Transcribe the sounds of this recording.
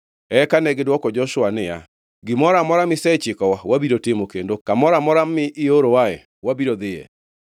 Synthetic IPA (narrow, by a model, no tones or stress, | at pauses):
ɛkanɛɡedwɔkɔd͡ʒɔʃʊanɪja̰ | ɡɪmɔɾamɔɾamɪsɛt͡ʃɪkɔwawabiɾotemokendokamɔɾamɔɾamɪʔɪoɾowaɛ̰ | wabiɾoðɪɛ̰